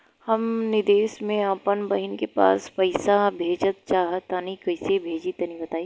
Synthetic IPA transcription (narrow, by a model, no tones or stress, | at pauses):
hɐmnɪd̪eːʃmẽapənbɐɦɪnkepa̰ːspɐɪsabʱeːd͡ʒət̪̚t͡ʃaːɦət̪anĩkɐɪsebʱeːd͡ʒit̪ɐnĩbɐt̪aːi